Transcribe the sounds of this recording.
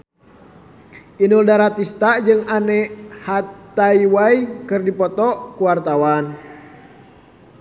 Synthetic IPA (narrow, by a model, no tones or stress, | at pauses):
ʔinuldaɾat̪ist̪aʔd͡ʒɨŋanɛhat̪aiwaikɨrdipɔt̪ɔʔkuwart̪awan